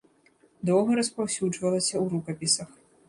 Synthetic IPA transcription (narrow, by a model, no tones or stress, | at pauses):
d̪ɔwɣɐɾɐspawsʲuʐvɐlˠɐsʲɐwɾukɐpʲisɐx